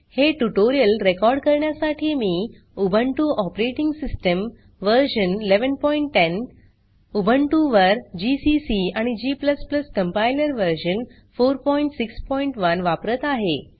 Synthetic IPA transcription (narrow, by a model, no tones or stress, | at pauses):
heʈuʈoɾijəlɾekɔɾɖkəɾɳjasaʈʰiːmiː | ubʱəɳʈuʔɔpɾeʈiŋɡsisʈəm | ʋəɾɕənleʋənpɔiɳʈːen | ubʱəɳʈuʋəɾd͡ʑisisiaɽ̃id͡ʑiːpləspləskəmpajləɾʋəɾɕən | foɾpɔiɳʈsikspɔiɳʈʋənʋapɾət̪aɦe